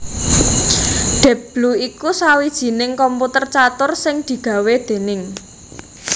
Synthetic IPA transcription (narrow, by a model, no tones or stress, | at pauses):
ɖ̪̥ɛ̤pb̥luikusawid̥ʒ̥i̤nɪŋkɔmput̪ərt͡ʃat̪ʊrsɪŋd̪̥i̤ɡ̥ä̤wed̪̥e̤nɪŋ